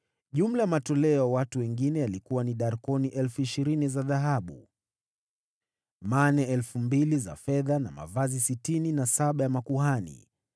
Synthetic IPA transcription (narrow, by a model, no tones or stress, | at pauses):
ʄum̩lajamatɔlɛɔwatuwɛŋɡinɛjalikuwaniɗaɾkɔniʔɛlfuiʃiɾinizaðaɦaɓu | manɛɛlfumbiliza̰fɛðana̰ma̰vazisitininasaɓajamakuhanḭ